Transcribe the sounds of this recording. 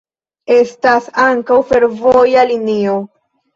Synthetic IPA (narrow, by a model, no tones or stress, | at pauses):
e̞stasaŋkawfe̞ɾvojalinio̞